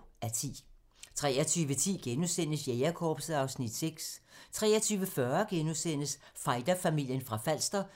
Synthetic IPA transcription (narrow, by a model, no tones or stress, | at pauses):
æɐt͡sʰḭː | t͡sʰʁɛ̰ːɐt͡sʰyːʋət͡sʰḭːɡ̥enusen̰əsjeɪɐkʰɒːb̥səɑ̈ʊsnid̥seɡ̥st͡sʰʁɛ̰ːɐt͡sʰyːʋəfɶɐɡ̥enusen̰əs | fɑ̈ɪd̥ɐfæmil̰jənfʁɑ̈fæl̰sd̥ɐ